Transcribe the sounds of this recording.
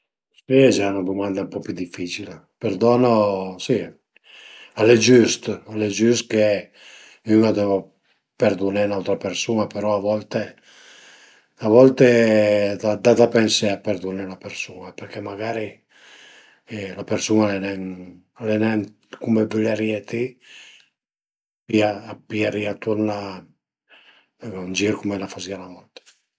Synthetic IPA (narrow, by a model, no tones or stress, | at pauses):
siɛd͡ʒaunad̪umand̪ampɔpjud̪ifːit͡ʃile | perd̪ɔːnosi | aled͡ʒyst̪alːed͡ʒyst̪ke | ynad̪ɛvo | perd̪unenawt̪ɾapersuːnapeɾɔavɔlt̪e | avɔlt̪ed̪ad̪ad̪apɛnseapeɾd̪unɛlapeɾsuːnapeɾkʰɛmaɡaːɾi | lapeɾsunalenɛn | lenɛn | kumevileɾiet̪i | piapiaɾiat̪uɾna | und͡ʒiːɾkumelafazialavɔlt̪e̥